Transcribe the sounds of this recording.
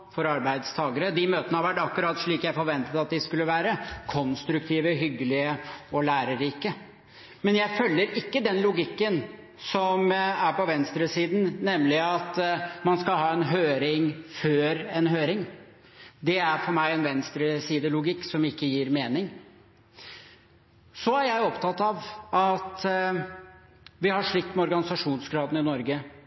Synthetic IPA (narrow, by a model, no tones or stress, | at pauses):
fɔɾɑɾbæɪd̪st̪ʰɑːɡəɾəd̪imøːt̪ənəhɑʋæʈːɑkːʉɾɑːt̪ʂɭiːkjæɪfɔɾʋɛnt̪ət̪ɑt̪̚d̪ɪskʉlːəʋæːɾəkʰɔnst̪ɾʉk̚t̪ʰiːʋəɦʏɡːəlɪəɔlæːɾəɾiːkə | mɛnjæɪfœlːəɾɪkːəd̪ɛnlʊɡɪkːən | sɔmæɾpɔʋɛnst̪ɾəsiːd̪n̩nɛmlɪɑt̪mɑnskɑlɦɑːɛnɦøːɾɪŋføːɾɛnɦøːɾɪŋ | d̪ɛæɾfɔɾmæɪɛnʋɛnst̪ɾəsiːd̪əlʊɡɪkːsɔmɪkːəjiːɾmeːnɪŋ | sɔæɾjæɪɔpt̪ʰɑt̪ːɑʋɑt̪ | ʋɪhɑʂɭɪkt̪mɛɔɾɡɑnɪsɑʂuːnsɡɾɑːd̪n̩ɪnɔɾɡə